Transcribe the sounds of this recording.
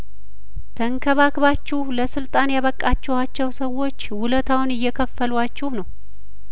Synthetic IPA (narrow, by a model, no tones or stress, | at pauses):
t̪ʰəŋkʰəβakbat͡ʃːɛhləsɨlt̪ʼanjaβəkʼːat͡ʃːɛhat͡ʃːɛwsəwːo̞t͡ʃːwʊlət̪ʰawʊnɪjːɛkʰəfːəlwat͡ʃːɛhnəw